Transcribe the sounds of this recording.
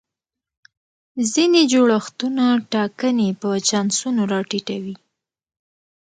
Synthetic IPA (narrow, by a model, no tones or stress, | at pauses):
zined͡ʒoɽaxt̪unaʈɑkənepət͡ʃɑnsunoɾɑʈiʈawi